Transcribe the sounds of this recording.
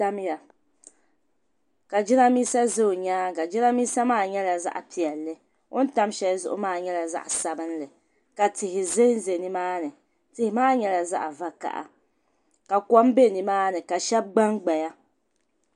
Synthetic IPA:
a˦m˦ja˨ | ka˨d͡ʒɪ˦na˦miː˦sa˦zo˦˨ɲaː˦ɡa˨d͡ʒɪ˦na˦miː˦sa˦maː˦˨ɲɛ˦la˨za̰˦ʔa˨pi˨ɛ˨lːɨ˦ | o˦n̩˦ta˦mʃɛ˦lzʊ̰˦ʔʊ̰˦maː˦˨ɲɛ˦la˨za̰˦ʔa˨sa˨bɨ˦n˦lɨ˨ | ka˨tɪ˨hɪ˨ze˦n˦ze˨nɨ˦maː˦nɨ˨ | tɪ˨hɪ˨maː˦ɲɛ˦la˨za̰˦ʔa˨va˨ka̰˨ʔa̰˨ | ka˨kɔ˦m˦be˦˨ni˨maː˦nɨ˨ka˨ʃɛ˦b̚ɡ͡ba˦ŋɡ͡ba˨ja˦

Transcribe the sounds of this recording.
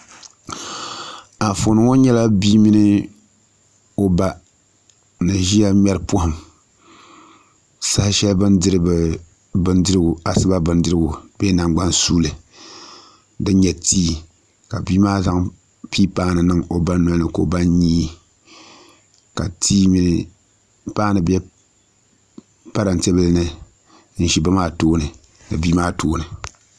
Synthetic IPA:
a˨fo˨nɨ˨˦ŋo˦ɲɛ˦la˦biː˦mi˦nɨ˦ | o˦ba˦ | nɨ˨ʒi˦ja˦mʲ˦ɛ˦ɾɨ˦po˦hʊ˨m | sa˦hʃɛ˦lbɨ˦ndɨ˦ɾɨ˦bɨ˨ | bɨ˦ndɨ˦ɾɨ˦ɡʊ˨a˨sɨ˦ba˦bɨ˨ndɨ˦ɾɨ˦ɡʊ˨beː˦na˨ŋɡ͡ba˦nsuː˦lɨ˨ | dɨ˦n˦ɲɛ˨tiː˦ | ka˨biː˦maː˦za˦ŋ | piː˦paː˦nɨ˨nɨ˦ŋo˨ba˦nː˦ɔ˦lnɨ˨ko̰˨ba˦nɲiː˦ | ka̰˨tiː˦mi˦nɨ˦˨ | paː˦nɨ˨bɛ˦ | pa˦ɾa˨n˨tɛ˦bɨ˦lnɨ˨ | n̩˦ʃi˨ba˦maː˦toː˦nɨ˨ | nɨ˨biː˦maː˦tʰoː˦nɨ˨

